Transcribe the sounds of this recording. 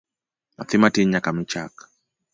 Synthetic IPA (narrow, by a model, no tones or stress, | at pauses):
na̰θimatiɲakamit͡ʃa̰k